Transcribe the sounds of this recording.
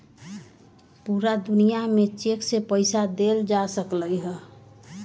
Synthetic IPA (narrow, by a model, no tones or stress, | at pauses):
puɾad̪unijamet͡ʃeksepəɪsad̪eld͡ʒasəkləjɦə